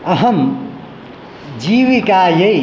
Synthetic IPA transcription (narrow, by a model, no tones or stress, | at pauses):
əɦəm | d͡ʒiʋikaje